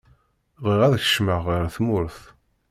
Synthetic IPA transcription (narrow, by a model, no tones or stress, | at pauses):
ðˤiʁæðçə̥ʃməʁəɾθmʊɾθ